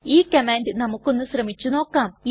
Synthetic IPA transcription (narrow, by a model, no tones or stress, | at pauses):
iːkɐmaːndɨnɐmukːo̞nːusrɐmit͡ɕːuno̞ːkːaːm